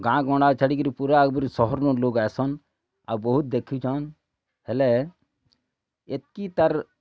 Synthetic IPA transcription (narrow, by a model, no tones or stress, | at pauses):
ɡãːɡɔ̃ɳɖaːt͡ʃʰəɽikiɾipuɾaɡbiɾsɔɦɔɾnoloːɡɛːsɔn | abɔɦut̪̚d̪ekʰit͡ʃʰan | helɛ | et̪̚kit̪ɐɾ